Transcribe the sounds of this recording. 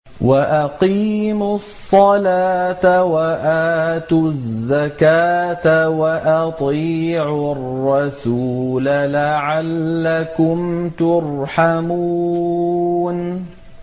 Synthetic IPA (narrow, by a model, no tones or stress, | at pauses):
waʔaqiːmʊsˤːɑlaːt̪awaʔaːt̪ʊzːakaːt̪awaʔɑt̪ˤiːʕʊrːɑsuːlalaʕalːakʊmt̪ʊɾħamuː | n